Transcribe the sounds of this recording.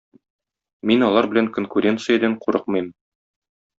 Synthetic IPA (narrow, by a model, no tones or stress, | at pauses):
minɒlˠɑɾbɘ̆læŋkonkuɾʲe̞nt̪sɨjəd̪æɴquɾɤqmɤ̆jm